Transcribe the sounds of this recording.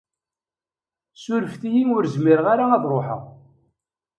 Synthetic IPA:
suɾəfθijiŋʊɾzmiɾʁaɾaɑðˤɾˤoħə̰ʁ

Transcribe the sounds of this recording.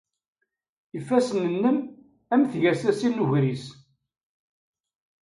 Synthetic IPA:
ifːæsənənːəm | æmθʝæsæsinːuʝɾis

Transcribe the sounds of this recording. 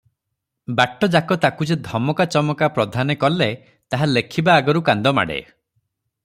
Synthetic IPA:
baʈːɔd͡ʒakɔt̪akud͡ʒed̪ʱɔmɔkat͡ʃɔmɔkapɾɔd̪ʱanekɔlːe | t̪aɦalekʰibaːɡɔɾukand̪ɔma̰ɽḛ

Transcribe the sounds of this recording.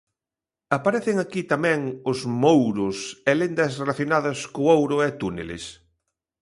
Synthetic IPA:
apaɾɛθeŋakit̪amɛ̃ŋʊzmowɾʊsɛlend̪ɐsrelaθjonaðɐskʊowɾʊɛt̪unḛlḛs

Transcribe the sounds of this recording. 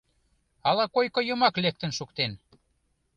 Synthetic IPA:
ɑlɑkojkŏjəmɑklek̚t̪ə̆nʃukt̪en

